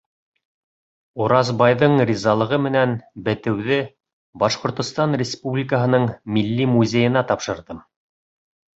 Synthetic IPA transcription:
uɾɑzbɑjðɤɴrʲizɑlˠɤ̆ʁɤmɘ̆nænbɘ̆t̪ɘ̆wðɘ | bɑʃqŏɾt̪ŏst̪ɑnrʲɪspublʲikəɦɤ̆nɤɴmilːimuzʲejɤ̆nɑt̪ɑpʃɤ̆ɾðɤm

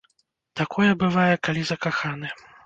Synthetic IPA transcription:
t̪akʰɔjɛbɨvajɛkalʲizɐkaxanɨ

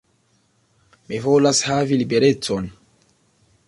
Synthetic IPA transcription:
mivolashavilibeɾet͡son

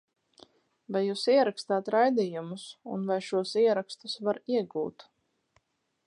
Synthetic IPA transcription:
vajːuːsiɛɾakst̪aːt̪ɾajd̪ijumusṵnvajʃuɔsiɛɾakst̪usvaɾiɛɡṵːt̪

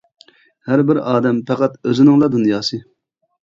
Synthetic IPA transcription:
hæɾbɪɾɑːd̪ɛmpʰɛqæt̪øzɪnɪŋlˠɑd̪unjɑːsɨ

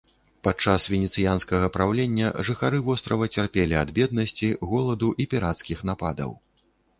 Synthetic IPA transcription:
pat͡ʂasvʲɛnʲɛt̪sɨjanskɐɣɐpɾawlʲɛnʲːɐ̰ʐɨxaɾɨvɔst̪ɾɐvɐt͡sʲarpʲɛlʲiad̪bʲɛd̪̚nɐsʲt͡sʲiɣɔlˠɐd̪uʔipʲiɾat̪skʲixnapad̪ɐ̰w

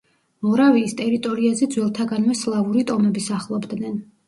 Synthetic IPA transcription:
mɔɾaviːst̪ʼɛɾit̪ʼɔɾiazɛd̪zwɛlˠt̪ʰaɡanvɛslˠavuɾit̪ʼɔmɛbisaχlˠɔbd̪nɛn

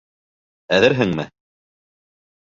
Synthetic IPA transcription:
æðɘɾɦɘŋmɘ

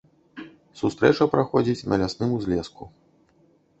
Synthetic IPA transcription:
sust̪ɾɛt͡ʂɐpɾaxɔd͡zʲit͡sʲnɐ̰lʲasnɨmuzʲlʲɛsku

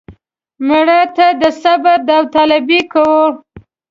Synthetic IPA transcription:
məɽat̪ad̪əsabad̪awt̪alabikawo

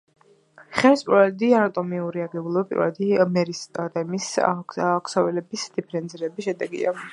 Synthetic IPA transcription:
χɛɾispʼɾɔɛd̪ianat̪ʼɔmiuɾiaɡɛbulˠɔbapʼḭɾɔɛ̰d̪imɛɾisʼd̪amis | kʰsɔvɛlɛbisd̪̥ipʰɛɾɛnziɾɛbiʃɛd̪ɛɡḭa̰

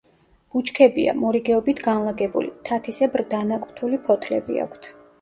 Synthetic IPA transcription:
b̥ut͡ʃʰkʰɛbia̰mɔɾiɡɛɔbit̪ʰɡanlˠaɡɛbṵlit̪ʰat̪ʰisɛbɾd̪anakʼt̪ʰulipʰɔt̪ʰlɛbḭa̰kʷʰt̪ʰ

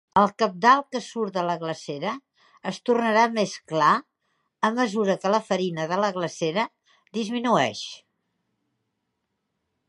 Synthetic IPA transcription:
əlˠkəp̚d̪alˠkəsuɾt̪ələɣləseɾəː | st̪urnəɾameskla | əmːəzuɾəkələfəɾinəðələɣləseɾə | d̪izminuɛ̰ʃ

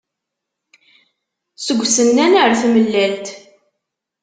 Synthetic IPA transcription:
səɡʷːsənːænəɾθməlːælt̪

